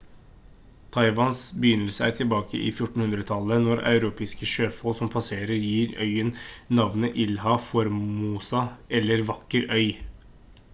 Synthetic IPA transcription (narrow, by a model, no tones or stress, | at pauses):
t̪ʰɑɪʋɑnsbəjʏnːəlsəæ̰ːɾʈʰɪlbɑːkə̰ʔḭːfjʊʈɳn̩hʉnd̪ɾət̪ʰɑlənɔɾɑ̰ʉɾuːpʰeːskəʃøːfoːsɔmpʰɑseːɾəɾjiːɾœʏənnɑʋnəʔɪlhɑfɔɾmuːsɑɛlːəɾʋɑkːəɾœʏ